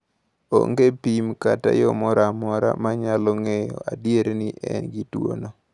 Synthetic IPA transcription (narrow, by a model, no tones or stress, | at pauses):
o̰ŋɡepimkata̰jɔmɔɾamɔɾa̰maɲalɔŋejɔ̰adjeɾenɪʔɛnɡitwo̰no